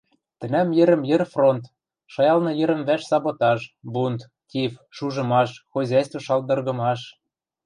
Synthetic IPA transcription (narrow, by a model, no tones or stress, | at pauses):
t̪ə̆næmjɘ̆ɾə̆mjɘ̆rfront̪ | ʃɑjɑlnɤ̆jə̆ɾə̆mβæʃsɑβot̪ɑʃbunt̪ | tʲifʃuʒɤ̆mɑʃxozʲɑjst̪voʃɑld̪ɤ̆rɣɤ̆mɑʃ